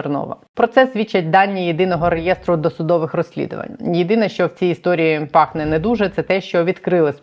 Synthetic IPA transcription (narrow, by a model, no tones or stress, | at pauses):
rnɔ̰ʋɐ̰ | pɾɔt̪sɛsʲʋʲit͡ʃːɐtʲd̪ɑnʲːijed̪ɪnɔɦɔɾejɛst̪ɾʊd̪ɔsʊd̪ɔʋɪxrɔsʲlʲḭd̪ʊ̰ʋɐ̰nʲjɪd̪ɪnɛʃt͡ʃɔwt͡sʲiːst̪ɔɾʲijipɑxnɛnɛd̪uʒɛt̪sɛt̪ɛʃt͡ʃɔʋʲid̪kɾɪlˠɪsʲ